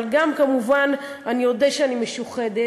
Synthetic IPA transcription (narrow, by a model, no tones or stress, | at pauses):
lɡamkamuvan | anijodeʃeanimeʃuχede